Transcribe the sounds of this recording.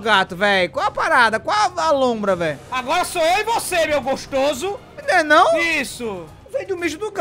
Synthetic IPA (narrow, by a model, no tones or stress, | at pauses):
ɡat̪ʊvɛjkwawɐpaɾad̪ɐkwawalõmbɾɐvɛjaɡɔɾɐsoewivosemewɡoʃt̪ozʊ | ĩnd̪ɛnɐ̃w̃isʊ | vẽj̃d̪ʊmeʒmʊd̪ʊɡ